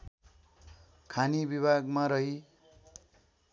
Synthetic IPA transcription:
kʰanibibʱaɡmaɾʌɦi

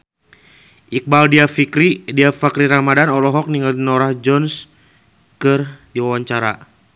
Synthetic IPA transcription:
ʔik̚baldiafikɾidiafakɾiɾamadanɔlɔɦɔk̚niŋaldinɔɾahd͡ʒɔns | kɨrdiwawaɲt͡ʃaɾa̰

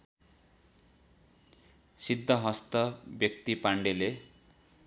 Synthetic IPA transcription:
sid̪ʱːʌɦʌst̪ʌbjʌk̚t̪ipaɳɖele

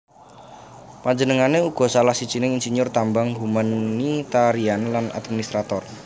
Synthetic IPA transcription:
paɲd͡ʒənəŋaneuɡ̥ɔ̤salahsi̥t͡ʃinɪŋinsinʊrt̪ambaŋɦumanːit̪aɾianlanʔa̰d̪̚minist̪ɾat̪ɔr

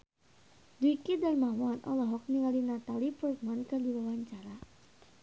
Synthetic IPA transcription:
dukidanmamanʔɔ̰lɔɦɔk̚niŋalinat̪alipurk̚mankədiwawaɲt͡ʃaɾa

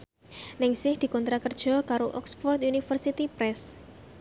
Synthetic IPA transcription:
nɪŋsɪhd̪̥i̤kɔnt̪ɾakərd̥ʒ̥ɔ̤kaɾoʔɔksfɔrt̪junifərsit̪ipɾɛs

